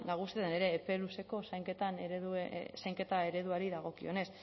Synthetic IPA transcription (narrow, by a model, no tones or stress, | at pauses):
naɣ̞ust̪eðene̞ɾe̞ːpe̞luse̞ko̞sajŋke̞t̪aneɾeðusajŋke̞t̪ae̞ɾe̞ðuaɾiðaɣ̞o̞kio̞ne̞s